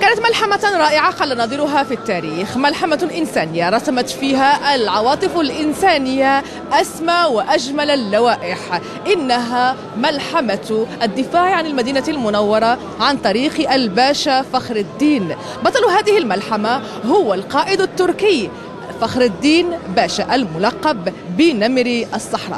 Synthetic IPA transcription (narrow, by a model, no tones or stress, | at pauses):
kaːnat̪malħamaɾˤɑːʔɪʕaqɑlːanɑːd̪ˤɨɾʊɦafit̪ːaːɾiːxmalħamaʔɪnsaːnɪjːaɾˤɑsamat̪fiːɦaʔalʕɑwɑːt̪ˤɨfalʔɪnsaːnɪjːa | ʔasmawɪʔaʒmalalːawaːʔɪħ | ʔɪnːaɦa | malħamaʔad̪ːɪfaːʕʕanɪlmad̪iːnalmʊnawːɑɾˤɑ | ʕant̪ˤɑɾiːqʔalbaːʃafaxɾɪd̪ːiːn | bɑt̪ˤɑlɦaːðɪhɪlmalħama | ɦʊwːalqɑːʔɪd̪at̪ːʊɾkɪj | faxɾɪd̪ːiːnbaːʃaʔalmʊlɑqːɑbː | ɪnamɾiʔɑsˤːɑħɾˤɑ̰ː